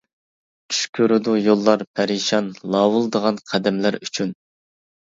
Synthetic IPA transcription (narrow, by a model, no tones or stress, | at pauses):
t͡ʃʰy̥ʃkʲʰøɾɨd̪ʊjolˠːɑɾpʰæɾiʃɑnlˠɑwulˠd̪əʁɑnqʰæd̪ɛmlæɾyt͡ʃʰyn